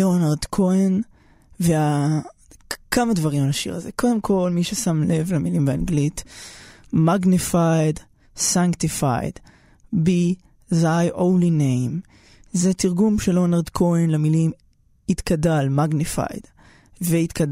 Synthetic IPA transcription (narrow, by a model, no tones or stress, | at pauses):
eonaʁd̪kʰoen | vea | kamad̪vaʁimalaʃḭʁazekʰo̞d̪e̞mkʰo̞lmiʃesamle̞vlamilimbeanɡlit | maɡnefajd | saŋktifa̰jd | bi | zajʔonlinejm | zet̪iʁɡumʃelonaʁd̪kʰoenlamilim | it̪kadalmaɡnifa̰jd̥ | veit̪kad